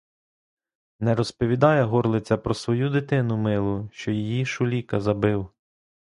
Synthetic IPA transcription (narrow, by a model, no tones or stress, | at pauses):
nɛɾɔspɔʋʲid̪ɑjɛɦɔrlˠɪt͡sʲɐpɾɔsʋɔjud̪ɪt̪ɪnʊmɪlˠʊʃt͡ʃɔjijiʃʊlʲikɐzɐbɪw